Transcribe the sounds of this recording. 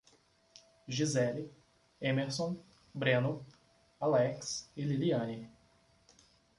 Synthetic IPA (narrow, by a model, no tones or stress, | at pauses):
ʒizɛli | ẽmeɾsõ | bɾẽnʊ | alɛksɪliliɐ̃ni